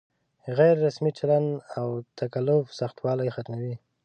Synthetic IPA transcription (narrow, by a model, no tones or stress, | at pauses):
ɣajɾːasmit͡ʃalandawt̪ʰakalʊfsaxt̪wɑlajxat̪mawi